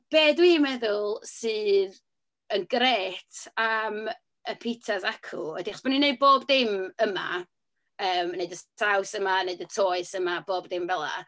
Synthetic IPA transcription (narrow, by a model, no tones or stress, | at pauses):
b̥eːdwiːmɛðʊlˠsɨːð | ənɡɾeːtʰam | əpʰitʰasakʰʊɔdiχɔsb̥ɔnineɨd̚boːbdɪməma̰ | əːmneɨdəstʰawsəmaneɨdətʰoːɨsəmaboːbdɪmvɛlˠa̰